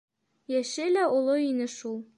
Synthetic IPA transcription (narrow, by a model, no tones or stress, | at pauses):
jæʃɘlæolˠoinɘʃulˠ